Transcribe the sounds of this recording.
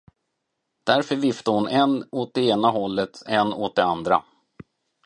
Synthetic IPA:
d̪̥æɾfœɾvɪft̪ahʊnɛnoːt̪̚d̪ɛeːnaɦɔlːət̪ɛnːoːt̪̚d̪ɛand̪ɾa̰

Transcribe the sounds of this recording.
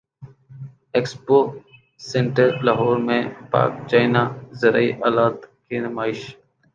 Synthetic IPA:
ekspoː | seɳʈəɾlaɦoːɾmẽːpa̰ːk̚t͡ʃaːɪnaːzəɾaiːʔaːlaːt̪keːnəmaːɪʃ

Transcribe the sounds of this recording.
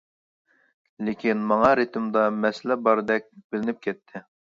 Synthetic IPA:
lɪkʲinmɑŋɑɾɪt̪ɨmd̪ɑmɛslɛbɑɾɨd̪ɛk̚ʲbɪlɪnɪp̚kʲɛt̪ʰːɪ

